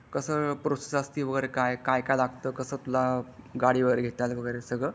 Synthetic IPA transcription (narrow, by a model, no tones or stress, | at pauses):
kəsəːpɾosesəst̪iːʋəɡəjɾekajkajkajlaɡt̪əːkəsəːt̪ulaɡaɽiːʋəɡəjɾeɡʱet̪alʋəɡəjɾesəɡɭə